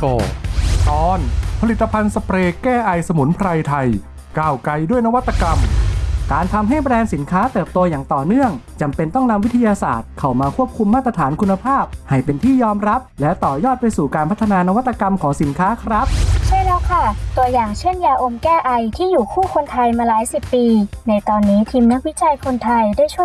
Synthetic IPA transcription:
o˧˩t̪ɔː˧npʰa˧li˨˩t̪ːa˧pʰa˧nsa˧pɾeː˧kɛː˥˩ʔa˧jsa˧mu˩˦npʰɾa˧jt̪ʰa˧j | kaː˧˩wka˧jdu˥˩əjna˦˥wa˦˥t̪ːa˧ka˧mkaː˧nt̪ʰa˧mɦa˥˩jbɾɛː˧nsi˩˦nkʰaː˦˥t̪ɤː˨˩p̚t̪o˧jaː˨˩ŋt̪ɔː˨˩nɯ˥˩əŋ | t͡ɕa˧mpe˧nt̪ɔ˥˩ŋna˧mwi˦˥t̪ʰa˧jaː˧sa̰ː˨˩t̪̚kʰa˨˩wmaː˧kʰu˥˩əp̚kʰu˧mːaː˥˩t̪ɾa˧t̪ʰaː˩˦nkʰu˧nːa˧pʰaː˥˩p̚ha˨˩jpe˧nt̪ʰiː˥˩jɔː˧mɾa˦˥p̚lɛ˦˥t̪ɔː˨˩jɔː˥˩t̪̚pa˧jsuː˨˩kaː˧npʰa˦˥t̪ʰːa˧naː˧na˦˥wa˥t̪ːa˧ka˧mkʰɔː˩˦ŋsi˩˦nkʰaː˦˥kʰɾa˦˥p̚t͡ɕʰa˥˩jlɛ˦˥wkʰa˥˩t̪u˧ɐjaː˨˩ŋt͡ɕʰɯ˥˩ənjaː˧ʔo˧mkɛː˥˩ʔa˧jt̪ʰiː˥˩juː˨˩kʰuː˥˩kʰo˧nt̪ʰa˧jmaː˧laː˩˦jsi˨˩pːiː˧na˧jt̪ɔː˧nːiː˦˥t̪ʰiː˧mna˦˥k̚wi˦˥t͡ɕa˧jkʰo˧nt̪ʰa˧jdu˥˩əjt͡ɕʰu˥˩˨

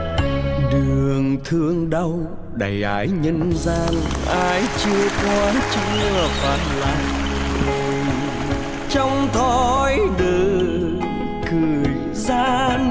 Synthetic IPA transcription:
ɗɨ˨˩əŋt̪ʰɨ˧əŋɗə˧w | ɗa˨˩jʔa̰ː˧˥jɲə˧nzaː˧nʔaː˧jt͡ɕɨ˧əkwɔ˧t͡ɕɨ˧əfaː˨˩nla̰˧˨˩ŋ˨˩ | j | t͡ɕɔ˧wŋ͡mt̪ʰɔ˧˨˩jɗəː˨˩ | kɨ˨˩j | zaː˧˥

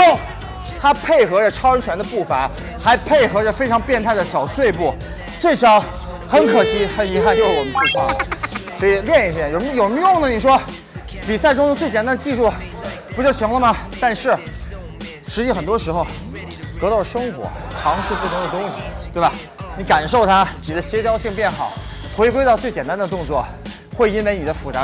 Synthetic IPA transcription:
o˥˩ʊ | t̪ʰa˥pʰe˥˩ɪxɤ˧˥ʈ͡ʂə˥˧ʈ͡ʂʰɑ˥ʊɻə˥t͡ɕʰɥɛ˧˥nd̪ə˧pu˥˩fa̰˧˥ | xa˧˥ɪpʰe˥˩ɪxɤ˧˥ʈ͡ʂə˥˧fe˥ɪʈ͡ʂʰɑ˧˥ŋpjɛ˥˧nt̪ʰa˥˩ɪd̪ə˩ɕjɑ˨˩ʊswe˥˧ɪpu˥˩ | ʈ͡ʂɤ˥˩t͡ɕʰjɑ˧˥ʊ | xə˧˥nkʰɤ˨˩ɕi˧˥xə˧˥ni˧˥xa˥˧nt͡ɕo˥˧ʂwɔ˨˩mə˦nt͡ɕʰy˥˩t͡ɕʰɑ˧˥swɔ˧˥i˨˩ljɛ˥˧ni˧˩ɕjo˨˩˧jʂə˧m˥jʊ˥˩ŋnə˨˩ni˨˩ʂwɔ˥ | pi˨˩sa˥˩ɪʈ͡ʂʊ˥ŋʂʊ˥t͡swe˥˩ɪt͡ɕjnt̪a˥nd̪ə˧t͡ɕi˥˧ʂu˥˩pu˧˥t͡ɕjo˥˩ʊɕʰi˧˥ŋlə˧mɐ˨˩t̪a˥˧nʂɻ̩˥˩ | ʂɻ̩˧˥t͡ɕi˥˩xə˨˩nt̪wɔ˥ʂɻ̩˧˥xo˧ʊ | t̪ɤ˧˥t̪ɑ˥˩lə˩ʂɤ˥ŋxwɔ̰˧˥ʈ͡ʂʰɑ˧˥ŋʂɻ̩˥˧pu˥˩t̪ʰʊ˧˥ŋd̪ə˨t̪ʊ˥ŋɕi˨˩t̪we˥˩ɪba˨˩ | ni˧˥ka˨˩nʂo˥˩ʊt̪ʰa˥ni˨˩d̪ə˦ɕjɛ˥t͡ɕ̪jɑ˥ʊɕi˥˧ŋpjɛ˥˩nxɑ˨˩˦ʊ | xwe˧˥ɪkwe˥ɑ˥˧t͡swe˥˩ɪt͡ɕjɛ˨˩nt̪a˥nd̪ə˧t̪ʊ˥˧ŋt͡swɔ̰˥˩ | xwe˥˩ɪi˥nwe˧˥ɪni˨˩d̪ə˦fu˨˩t͡sa˧˥

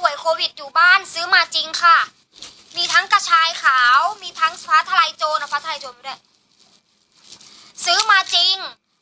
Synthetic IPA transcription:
u˨˩əjkʰoː˧wi˨˩t̪̚juː˨˩baː˥˩˨nsɯː˦˥maː˧t͡ɕi˧ŋkʰa˧˥˩ | miː˧t̪ʰa˦˥ŋka˧t͡ɕʰaː˧jkʰaː˩˦wmiː˧t̪ʰa˦˥ŋpʰaː˦˥t̪ʰːa˧la˧jt͡ɕoː˧na˧pʰaː˦˥t̪ʰa˧a˧jt͡ɕoː˧nmː˧˩du˧˥˩j | sɯː˦˥maː˧t͡ɕi˧ŋ

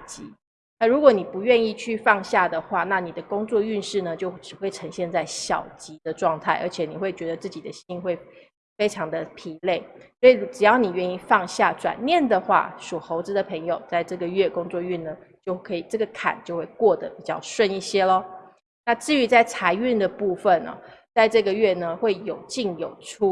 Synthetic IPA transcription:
t͡ɕi˧˥ | na˥˩ɻu˧˥kwɔ˨˦ni˨˩pu˧˥ɥɛ˥˧ni˥˧t͡ɕʰy˥˧fɑ˥˧ŋɕja˥˩d̪ə˩xwa˥˩na˥˩ni˨˩d̪ə˩kʊ˥ŋt͡swɔ˥˧y˥˧nʂɻ̩˥˩nə˩t͡ɕjo˥˧ʊʈ͡ʂɻ̩˨˩xwe˥˩ɪʈ͡ʂʰɤ˧˥ŋɕjɛ˥˧nt͡sa˥˩ɪɕjɑ˨˩ʊt͡ɕi˧˥d̪ə˧ʈ͡ʂwɑ˥˧ŋt̪ʰa˥˩ɪʔə̰˞˧˥t͡ɕʰjɛ˨˩˦ni˨˩xwe˥˩ɪt͡ɕɥɛ˧˥d̪ə˧t͡sɹ̩˥˩t͡ɕi˨˩d̪ə˦ɕi˥nxwe˥˩ɪ | fe˥ɪʈ͡ʂʰɑ˧˥ŋd̪ə˧pʰi˧˥le˥˩ɪswɔ˧˥i˨˩u˧˥ʈ͡ʂɻ̩˨˩jɑ˥˩ʊni˨˩ɥɛ˥˧ni˥˧fɑ˥˧ŋɕja˥˩ʈ͡ʂwa̰˨˩nnjɛ˥˨˩nd̪ə˨xwa̰˥˩ʂu˨˩xo˧˥ʊt͡sɹ̩˧˥d̪ə˨pʰɤ˧˥ŋjo˨ʊt͡sa˥˧ɪʈ͡ʂɤ˥˩ɡə˩ɥɛ˥˩kʊ˥ŋt͡swɔ˥˧y˥˩nnə˩t͡ɕjo˥˧ʊkʰɤ˧˥i˨˩ʈ͡ʂɤ˥˩ɡə˩kʰa̰˨˩nt͡ɕjo˥˧ʊxwe˥˩ɪkwɔ˥˩d̪ə˩pi˨˩t͡ɕjɑ˥˧ʊʂwə˥˧ni˥˩ɕjɛ˥lə˨ | na˥˧ʈ͡ʂɻ̩˥˩y˧˥t͡sa˥˩ɪt͡sʰa˧˥ɪy˥˩nd̪ə˩pu˥˩fə˨nɐ̰˨˩t͡sa˥˧ɪʈ͡ʂɤ˥˩ɡə˩ɥɛ˥˩nə˩xwe˥˩ɪjo˨˩ʊt͡ɕi˥˩ŋjo˨˩ʊʈ͡ʂʰu˥

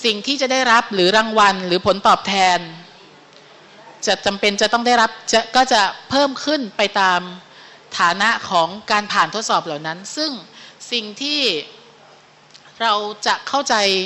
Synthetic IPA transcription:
si˨˩ŋt̪ʰiː˥˩t͡ɕa˨˩daː˥˩jɾa˦˥p̚ɾɯː˩˦ɾaː˧ŋwa˧nɾɯː˩˦pʰo˩˦nt̪ɔː˨˩p̚t̪ʰɛː˧n | t͡ɕa˨˩ʔt͡ɕa˧mpe˧nt͡ɕa˨˩t̪ɔ˥˩ŋdaː˥˩jɾa˦˥p̚t͡ɕa˨˩kɔː˥˩t͡ɕa˨˩pʰɤː˥˩mkʰɯ˥˩npa˧jt̪aː˧m | t̪ʰaː˩˦na˦˥ʔkʰɔː˩˦ŋkaː˧npʰaː˨˩nt̪ʰo˦˥t̪̚sɔː˨˩p̚laː˨˩wna˦˥nsɯ˥˩ŋsi˨˩ŋt̪ʰiː˥˩ | ɾa˧wt͡ɕa˨˩ʔkʰa˥˩wt͡ɕa˧j

